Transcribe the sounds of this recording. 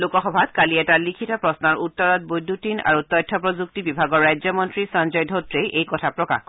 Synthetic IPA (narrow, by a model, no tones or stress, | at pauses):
lukɔxɔbʱatkaliɛtalikʰitɔpɹɔsnaɹutːɔɹɔt̚bojdʱːutina̰ɹutɔjtʰːɔpɹɔzuk̚tibibʱaɡɔɹajd͡ʒzɔmɔntɹisand͡ʒɔjdʱotɹejejkɔtʰapɹɔka̰x